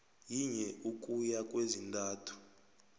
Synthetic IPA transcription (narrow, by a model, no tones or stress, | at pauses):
jiɲɛʔukʼujakʼwezintʼaːtʰu̥